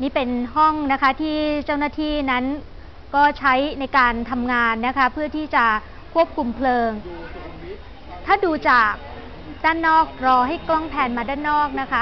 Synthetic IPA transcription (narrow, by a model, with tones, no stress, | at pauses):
niː˥˩pe˧nɦɔ˥˩ŋna˦˥kʰa˦˥t̪ʰiː˥˩t͡ɕa˥˩wnaː˥˩t̪ʰiː˥˩na˦˥n | kɔː˥˩t͡ɕʰa˦˥jna˧jkaː˧nt̪ʰa˧mŋaː˧nːa˦˥kʰa˦˥pʰɯ˥˩ɐt̪ʰiː˥˩t͡ɕa˨˩ | kʰu˥˩əp̚kʰu˧mpʰlɤː˧ŋ | t̪ʰaː˥˩duː˧t͡ɕaː˨˩k̚ | daː˥˩nːɔː˥˩k̚ɾɔː˧ɦa˥˩jklɔ˥˩ŋpʰɛː˧nmaː˧daː˥˩nːɔː˥˩k̚na˦˥kʰa˦˥